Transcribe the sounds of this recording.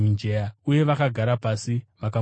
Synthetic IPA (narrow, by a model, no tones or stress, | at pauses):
ind͡ʒejauje̞ʋakaɡʱaɾapasiʋaka